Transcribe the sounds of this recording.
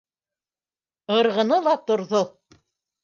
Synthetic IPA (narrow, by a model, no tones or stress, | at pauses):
ɤ̆ɾʁɤ̆nɤlˠɑt̪ŏɾðo